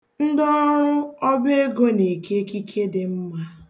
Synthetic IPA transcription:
n̩˦dɔ˦ɾʊ˦ɔ˦be˦e˦ɡo˦ne˨ke˦ki˦kʰe˦dɪ˨m̩˦ma˦

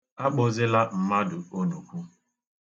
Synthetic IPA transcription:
a˦k͡pʊ˨zɪ˦la˦m̩˨ma˦dʊ˨o˦no˨kʷu˦

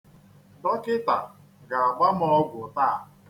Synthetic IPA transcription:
dɔ˦kɪ˦ta˨ | ɡa˨a˨ɡ͡ba˦m˦ɔ˦ɡʷʊ˨taː˦˨

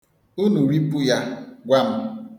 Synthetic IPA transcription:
u˦nu˨ɾi˦pu˦ja˦ɡʷa˦m̩˦

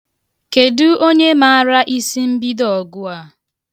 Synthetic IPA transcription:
ke˨du˦o˦ɲe˦ma˨a˦ɾa˦ʔi˦si˦m̩˦bi˦dɔ˨ɡʊ˦a˨

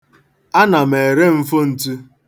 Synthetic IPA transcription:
a˦na˨me˨ɾe˦m̩˦fʊ˦n̩˨tu˦

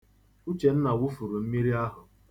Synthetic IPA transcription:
u˦t͡ʃe˨n̩˦na˨wʊ˦fu˨ɾu˨m̩˦mi˦ɾi˦a˦ɦʊ˨

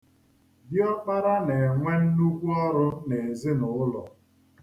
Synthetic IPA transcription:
djɔ˦k͡pa˦ɾa˦ne˨ŋʷe˦n̩˦nu˦kʷu˦ɔ˦ɾʊ˦ne˨e˨zɪ˦nʊ˨ʊ˦lɔ˨

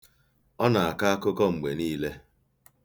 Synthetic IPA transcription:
ɔ˦na˨a˨ka˦a˦kʊ˦kɔ˦ŋ͡m̩˨ɡ͡be˨niː˦le˦

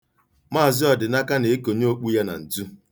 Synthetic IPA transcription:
ma˦a˨zɪ˦ɔ˨dɪ˨na˦ka˦ne˨e˦ko˨ɲ˦o˦k͡pu˦ja˦na̰˨n̩˨d͡zu˦

